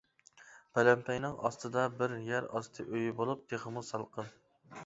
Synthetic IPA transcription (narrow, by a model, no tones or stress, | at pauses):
pʰɛlɛmpʰɛjnɪŋʔɑ̰st̪ɨd̪ɑbɪɾjæɾɑst̪ʰɨʔøjbolˠup̚t̪ʰeχəmusɑlˠqʰən